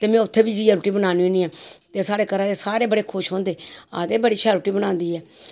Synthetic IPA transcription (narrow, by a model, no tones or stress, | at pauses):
t̪eːmɛ̃ːʊt̪ʰːeːbiːd͡ʒiːaːɾuʈiːbənaːnoːnĩːɛːt̪eːsaːɽeːkəɾãːd̪eːsaːɾeːbəɽeːkʰʊʃɦõːnd̪eːa̰ːd̪eːbəɽiːʃʰɛːɾuːʈiːbənãːnd̪iːɛː